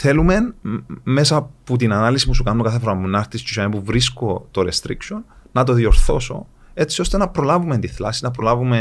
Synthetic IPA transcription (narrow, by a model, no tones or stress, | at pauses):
θe̞lume̞nme̞sɐput̪inɐnɐlisipusukɐnːokɐθe̞foɾɐmnɐɾt̪iscosɐnipuvɾisko̞t̪o̞ɾe̞st̪ɾḭkso̞nːɐt̪o̞ðio̞ɾθo̞so̞̰ | e̞t͡sio̞st̪e̞nɐpɾo̞lɐvume̞nt̪iθlɐsinɐpɾolɐvume̞